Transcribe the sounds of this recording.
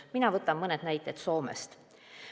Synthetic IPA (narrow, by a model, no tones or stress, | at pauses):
minɑvɤt̪ːˑɑmmɤned̪næjt̪ːˑet̪so̞ːmḛst̪